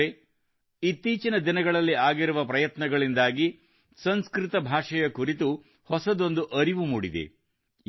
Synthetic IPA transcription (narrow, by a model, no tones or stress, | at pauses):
e | it̪ːiːt͡ʃinɐd̪inɐɡɐɭɐlːiaːɡiɾuʋɐpɾɐjɐt̪nɐɡɐɭind̪aːɡi | sɐnskɾit̪ɐbʱaːʂɐjɐkuɾit̪̬u | hɔsɐd̪o̞nd̪uʔɐɾiʋumuːɽid̪ḛ